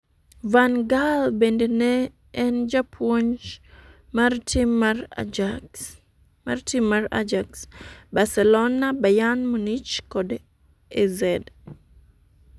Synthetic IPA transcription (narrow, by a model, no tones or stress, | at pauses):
vanɡalbendenɛː | nd͡ʒapʰoɲt͡ʃ | martiaɾ | ma̰rtimːaɾa̰d͡ʒaksbasɛlonabajanmunit͡ʃkɔd | ezɛd